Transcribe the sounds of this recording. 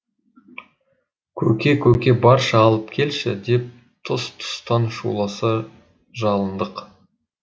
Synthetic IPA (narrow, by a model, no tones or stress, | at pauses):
kʲʰɵkʲe̞kʲʰɵkʲe̞bɑɾʃɑɑlˠəpkʲʰe̞lʃɪ̰d̪e̞p̚ | t̪ʰʊst̪ʰʊ̥st̪ɑnʃṵlˠɑsə | ʒɑlˠənd̪əq